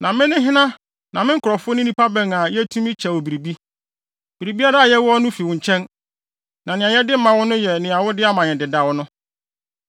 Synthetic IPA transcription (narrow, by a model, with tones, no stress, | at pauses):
nã˨mɪ̃˦nɪ̃˦ɦɪ̃˦nã˦ | nã˨mɪ̃˦ŋ̩˦kʰʊ˨ɾɔ˨fʊ˦nĩ˦nĩ˦pʰa˦bɛ̃˨ŋa˨jɛ˦tʰũ˦mɪ̃˦t͡ɕʰɛ˨wo˨bi˨ɾi˨bi˦ | b̥i˨ɾi˨bi˦a˦ɾa˦a˨jɛ˦wʊ˦ɔ˦nʊ̃˦fi˨wʊ̃˨ɲ˨t͡ɕʰɛ̃˦n | nã˨nɪ̃˨ã˨jɛ˦dɪ˦m̩˦mã˨wʊ̃˦nʊ̃˦jɛ˨nɪ̃˨a˨wʊ˦dɪ˦a˦mã˨nɪ̃˨dɪ˨da˨wɔ˦nʊ̃˦